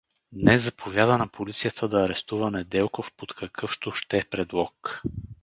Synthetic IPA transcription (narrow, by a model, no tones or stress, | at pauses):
d̪nɛszɐpʰovʲjad̪ənɐpʰolit̪sijət̪ʰəd̪ɐːɾɛst̪uvɐnɛd̪ɛlˠkofpot̪kʰɐkʰɤft̪oʃt̪ɛpɾɛd̪lˠɔk